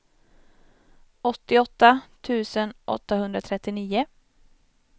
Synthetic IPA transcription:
ɔt̪ːɪɔt̪ːat̪ʰʉ̟ːsənʔɔ̰t̪ːaɦɵnd̪ɾat̪ʰɾɛt̪ːɪniːʊ

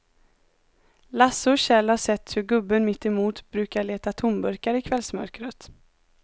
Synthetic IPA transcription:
lasʊɕɛlhaʂɛt̪ːhɵɾɡɵbːənmɪt̪ːɛmuːt̪bɾʉ̟ːkaɭeːt̪at̪ʰʊmbɵɾkaɾɪkʰvɛlsmœ̰ɾkɾət̪

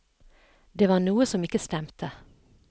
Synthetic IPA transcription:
d̪eːʋɑːʁnuːəsɔmɪkəst̪ɛmt̪ʰə

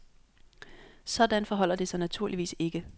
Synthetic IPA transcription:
sɒ̽d̥ænfɒ̽ɦɒ̽l̰ɐd̥isɑ̈ɪnæt͡sʰuɐ̰liʋḭːse̝ɡ̥ə

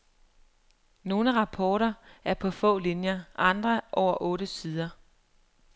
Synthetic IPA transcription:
no̝ːnəʁɑ̈pʰɒːɾɐæɐpʰɒ̽fɔ̰̽ːlinjɐʔɑ̈nd̥ʁɐʔɒʊɐʔɔ̽ːɾəsiːðˠɐ

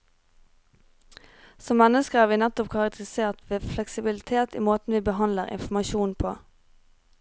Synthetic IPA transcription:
sɔmːɛnəskəæːʁʋiːnɛt̪ɔpkʰɑʁɑk̚t̪ʰəʁɪseːʁt̪ʋeːflɛksɪbɪlɪt̪ʰeːt̪ḭːmoːt̪n̩ʋiːbəɦɑnləʁɪ̰nfmɑʃuːnpʰo̰ː

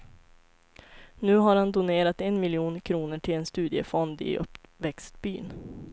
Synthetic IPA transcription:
nʉ̟ːɦaɾhand̪ʊneːɾat̪ɛnmɪljuːnkʰɾuːnəʈʰɪlɛnst̪ʉ̟ːd̪ɪə̰fɔnd̪ɪ̰ʔɵ̰pvɛkst̪̚byːn

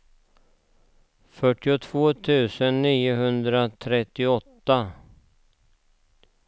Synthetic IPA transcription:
fœʈːɪʊt̪ʰvoːt̪ʰʉ̟ːsənːiːʊɦɵnd̪ɾat̪ʰɾɛt̪ːɪɔt̪ːa

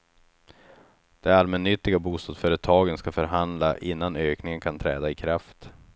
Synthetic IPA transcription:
d̪̥ɛalmɛnːʏt̪ːɪɡabuːst̪ɑːd̪sfœːɾət̪ʰɑːɡənskafœɾɦand̪laʔɪnːanøːknɪŋənkʰant̪ʰɾɛ̰ːd̪aɪkʰɾaft̪

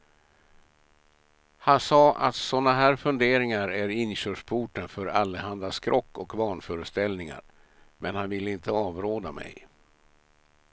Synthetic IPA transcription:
hansɑːʔa̰t̪sɔnːaɦæːɾfɵnd̪eːɾɪŋaɾæɾɪnɕøːʂpʰuːʈənfœɾalːəɦand̪askʰɾɔkːɔkvɑːɳfœːɾəst̪ɛlnɪŋa̰ɾ | mɛnhanvɪlːəɪnt̪əɑːvɾoːd̪amɛ̰j

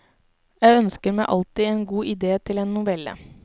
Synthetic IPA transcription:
jæɪœnskəɾmæɪʔɑlt̪ɪeːnɡuːʔɪd̪eːt̪ʰɪleːnːʊʋɛlːə̰

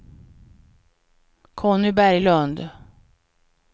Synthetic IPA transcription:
kʰɔːnʏbæɾjlɵnd̪

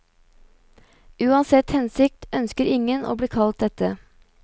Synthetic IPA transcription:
ʉːɑnsɛt̪hɛnsɪk̚t̪œnskəɾɪŋənʔo̰ːbliːkʰɑlt̪̚d̪ɛt̪ə

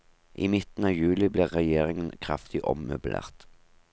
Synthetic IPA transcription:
ʔiːmɪt̪n̩ɑːjʉːlɪbliːʁʁɛjeːʁɪŋənkʰʁɑ̰ft̪ɪʔɔ̰mmʉbl̩ʔḛːʁt̪

